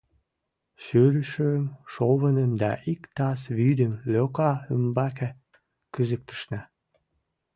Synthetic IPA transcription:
søɾəʃømʃoβənəmd̪ɑ̰ʔikt̪ɑsβyd̪əmløkɑəmbɑke | kyzək̚t̪ə̥ʃnɑ

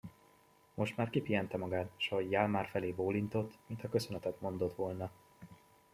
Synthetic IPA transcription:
mo̞ʃt̪maːrkipijɛnt̪ɛmɒɡaːt̪ʃɒɦo̞ɟjaːlmaːrfɛleːboːlint̪o̞t̪ːmint̪ʰɒkø̞sø̞nɛt̪ɛt̪mo̞n̪d̪o̞t̪ʋo̞lnɒ

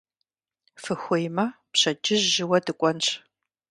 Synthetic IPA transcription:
fɨxʷʊjmɐpɕɐd͡ʒɪʑːɪwɐdɨkʷʼɔnɕʼ

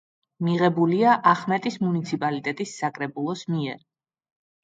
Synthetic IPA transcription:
miʁɛbuliaʔaχmɛt̪ʼismunit̪sʰipʼalit̪ʼɛt̪ʼisːakʼɾɛbulˠɔsmiɛɾ

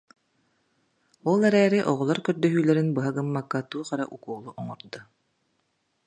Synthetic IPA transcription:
uɔːlˠɛɾɛːɾiʔɔʁɔlˠaɾkœɾd̪œɦyːlɛɾinbɯɦaɡɯmːakːat̪uːχaɾaʔukuːlˠuʔɔŋɔɾd̪u

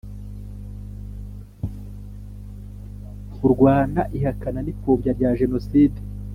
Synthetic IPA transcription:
uɾɡwaːna̰ʔihakananipoːbɟaɾɟaːʒe̞no̞siːde

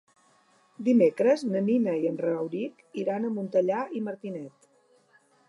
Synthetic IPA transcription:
d̪imekɾəznəninəiənrəəwɾik | iɾanəmunt̪əʎaiməɾt̪inɛt̪

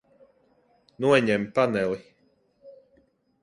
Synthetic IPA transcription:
nuɔɲɛmpanɛli

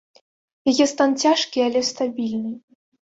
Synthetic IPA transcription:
jajɛst̪ant͡sʲaʂkʲialʲɛst̪abʲilʲnɨ

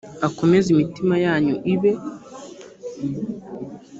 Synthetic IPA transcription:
ako̞me̞zimitimajaːɲuʔiβe̞

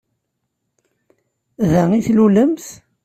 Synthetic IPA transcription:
ðæŋiθluləmθ

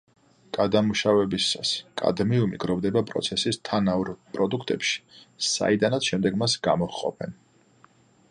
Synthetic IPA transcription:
ɡ̥ad̪amuʃavɛbisaskʼa̰d̪miumḭɡɾɔvd̪ɛbapʼɾɔ̰t̪sʰɛsist̪ʰanauɾpʼɾɔd̪ukʰt̪ʼɛpʃi̥sa̰id̪anat̪sʃɛmd̪ɛɡmasɡamɔʁqʼɔ̰pʰɛn

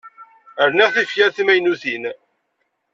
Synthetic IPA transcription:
əɾniʁθifjæɾθmæjnuθin

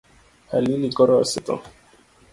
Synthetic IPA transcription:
halilikɔɾɔa̰sɛt̪ɔ̰

